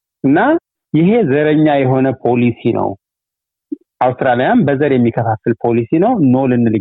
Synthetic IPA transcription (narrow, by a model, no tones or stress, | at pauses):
ʔɨnːa | jɪɦe̞zəɾəɲːajɛɦo̞nəpʰo̞lisinə̰w | ʔawst̪ɾalijanbəzəɾjɛmːikʰːəfafːɨlpʰo̞lisinəwno̞lɨnːɨlɨ